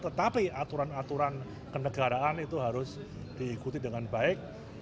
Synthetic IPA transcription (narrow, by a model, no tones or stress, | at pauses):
t̪ət̪apiat̪uɾanat̪uɾan | kənəɡaɾaanit̪uɦaɾʊs | d̪̥iːkut̪idəŋanbaɪk̚